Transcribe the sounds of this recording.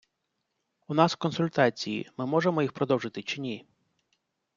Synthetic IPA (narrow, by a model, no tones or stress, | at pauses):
unɑskɔnsʊlʲt̪ɑt͡sʲijḭmɪmɔʒemɔjixpɾɔd̪ɔwʒɪt̪ɪt͡ʃɪnʲi